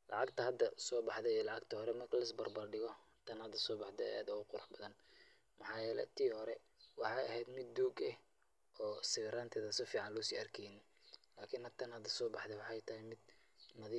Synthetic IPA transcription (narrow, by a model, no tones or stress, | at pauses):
lʔɑ̰ʕɑɡt̪ʰɐɦɐd̪ɐsɔːbɑħd̪ɛlɑʕɑɡt̪ʰɐhɔɾɛmɐrkʰɐlɐɪsbɐrbɐrɖɪɣɔ | t̪ʰɐnhɐd̪ɐsɔːbɑħd̪ɛ̰aːd̪ʊɣʊqʊɾʊħbɐðɐn | mɑħɑːjɛːlɛ̰t̪ʰiːhɔɾɛ | wɑħɑjɐɦɛjd̪mɪd̪ːuːɡɛh | ʔɔːsɪɣɾaːnt̪ʰɛːðɐsɪfiːʕɑnlʊsiːʔɐrkʰɛjnɪ | laːkʰɪnhɐt̪ʰɐnhɐd̪ɐsɔːbɑħd̪ɛwɑħɑjt̪ʰɐhɪmɪd̪̚ | mɐðɪ